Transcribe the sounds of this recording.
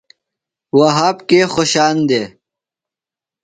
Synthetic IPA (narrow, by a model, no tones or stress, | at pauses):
waɦaːpkexoɕaːnd̪eː